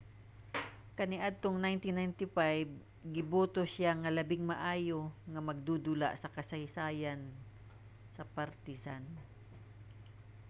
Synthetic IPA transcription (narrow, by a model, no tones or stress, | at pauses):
kɐnɪʔad̪̚t̪oŋnajnt̪ɪnajnt̪ɪfajb̚ | ɡɪbuːt̪osaŋɐlɐbɪŋmaʔaːjoŋɐmɐɡ̚d̪ud̪ʊla̰ʔsɐkɐsaɪsaːjan | sɐpaɾt̪ɪsan